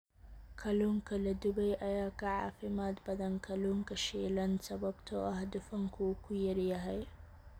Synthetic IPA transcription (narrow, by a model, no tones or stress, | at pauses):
kʰɐluŋkɐlɐd̪ʊbɐjʔɐjaːkɐʕa̰ːfɪmaːt̪bɐd̪ɐnkʰɐluŋkɐʃɛːlɐnsɐbɐbt̪ʰɔʔɐhd̪ʊfɐŋkʰukʊjɐɾjɐɦɐj